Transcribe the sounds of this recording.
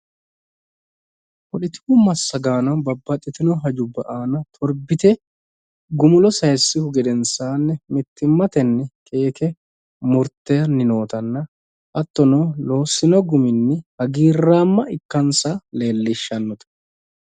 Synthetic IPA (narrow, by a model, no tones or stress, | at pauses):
wɔɗɪt̪ɪʊmɐsːɐɡaːnɐbɐbːɐt̪ʼːɪt̪ɪnɔɦɐd͡ʒʊbɐʔaːnɐt̪ʰɔɾbɪt̪ɛ | ɡʊmʊlɔsɐjsːɪhʊɡɛd̪ɛnsaːnːɛmɪt̪ːɪmːɐt̪ɛnːɛkʼe̞ːkɛ | mʊɾt̪ːɛjɐnːɪno̞ːt̪ɐnːɐ | ʔɐt̪ːɔnolo̞ːsːɪnɔɡʊmɪnːɛhɐɡiːrːaːmːɐɪkːɐnsale̞ːlːɪʃːɐnːɔt̪ɐ̥